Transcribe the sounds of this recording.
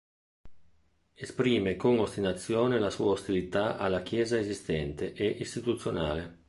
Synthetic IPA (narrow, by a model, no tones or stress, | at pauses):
espɾiːmekoŋost̪inat̪sːjoːnelasuːaost̪ilit̪aʔa̰lːak̟jɛːzaezist̪ɛnt̪eʔeʔist̪it̪ut̪sːjona̰ːle